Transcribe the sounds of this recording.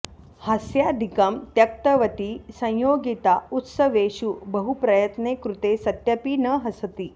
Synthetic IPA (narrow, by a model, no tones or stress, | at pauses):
hɐsjad̪ʱikɐmt̪jɐk̚t̪əʋɐt̪isə̃j̃joːɡit̪aut̪səʋeɕubəɦupɾɐjət̪nekɾut̪esɐt̪jɐpinəɦɐsət̪iː